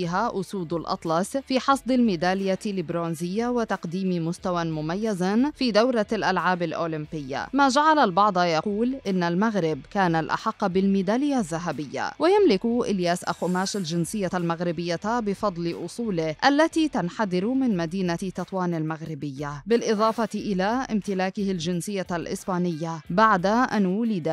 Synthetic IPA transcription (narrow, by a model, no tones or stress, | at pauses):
iɦaʔʊsuːd̪lʔɑ̰t̪ˤlɑsfiːħɑsˤd̪ɪlmɪd̪aːlɪjalɪbɾoːnzɪjːawɪt̪ɑqd̪iːmmʊst̪awamʊmajːazafiːd̪awɾalʔalʕaːbalʔoːlɪmpɪjːa̰maːʒaʕalalbɑʕd̪ˤjɑquːlʔɪnːalmaɣɾɪbkaːnalʔa̰ħɑqːbɪlmɪd̪aːlɪjːazːaɦabɪjːa̰wajamlɪkʔɪljaːsʔa̰xʊmaːʃalʒɪnsɪjːalmaɣɾɪbɪjːabɪfɑd̪ˤlɪʔʊsˤuːlɪhʔalːat̪iːt̪anħaðɪɾmɪnmad̪iːnat̪ːɑt̪ˤwaːnalmaɣɾɪbɪjːabɪlʔɨðˤɑːfɑt̪ʔɪlaʔɪ̰mt̪ɪlaːkɪhɪlʒɪnsɪjːalʔɪ̰sbaːnɪjːabaʕd̪aʔanwʊlɪd̪a